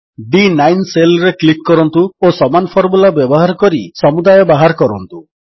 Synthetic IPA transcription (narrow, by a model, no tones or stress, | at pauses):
ɖinajnselɔɾeklikːɔɾɔnt̪uosɔmanpʰɔɾmulabjɔbɔɦaɾɔkɔɾisɔmud̪ajɔbaɦaɾɔkɔɾɔnt̪u